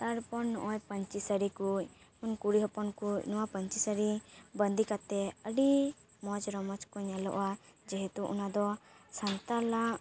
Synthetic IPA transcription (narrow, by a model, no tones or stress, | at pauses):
t̪aɾpɔnːɔʔɔjpəɲt͡ʃisəɾikuɲ | munkuɽiɦɔpɔnkucnɔwapəɲt͡ʃisəɾibənd̪ikat̪ɛəɖi | mɔd͡ʒɾɔmɔt͡ʃkɔɲalɔ̰ʔad͡ʒɛɦɛt̪uʔṵnad̪ɔ | sant̪alam